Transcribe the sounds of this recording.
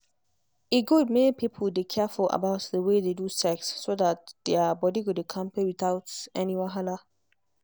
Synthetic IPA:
iɡudmenipipʰəldekʰɛfulə̰baʊtdəwededusɛksːodat̚d̥ɛbɔdiɡubikʰãmpewit̪aʊtɛniwãɦala

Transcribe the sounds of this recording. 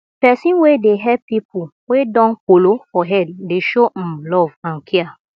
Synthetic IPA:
pɛsĩnwedeɦɛpipʰuwedɔ̃nkolofɔɦɛddeʃõmlɔvãnkʰia

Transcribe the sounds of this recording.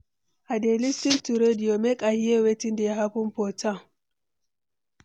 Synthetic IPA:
ʔadelistintuɾedijɔmɛkʼahijɛwetindɛɦapumpɔta

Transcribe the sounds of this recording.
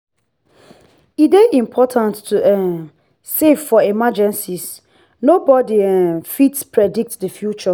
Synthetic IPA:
ideʔĩmpʰɔtʰãntːʰuɛn | seffɔemad͡ʒɛ̃nsis | nobɔdiɛ̃nfitspʰɹɛdik̚tdəfjut͡ʃɔ

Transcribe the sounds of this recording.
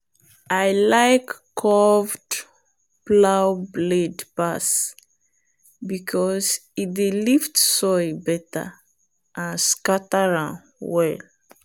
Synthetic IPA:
ʔajlaɪkːʰ | ɔvd | plawbledpas | bikʰɔzit̚deliftsɔɪbɛtə̰ | ʔãnskatəɹã | wɛl

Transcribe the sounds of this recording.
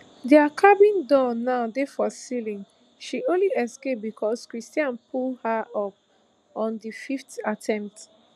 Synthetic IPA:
diakʰabĩndɔnaʊdefɔsilĩn | ʃiʔõnliɛskep̚bikʰɔskɹistiãnpʰulhaʔɔp̚ | ɔ̃ndififtatʰɛ̃mpt

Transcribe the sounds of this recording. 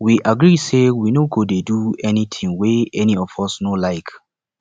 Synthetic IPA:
wiʔaɡɹisewinoɡodeduɛnitʰĩŋweɛniɔvɔsnolaɪk

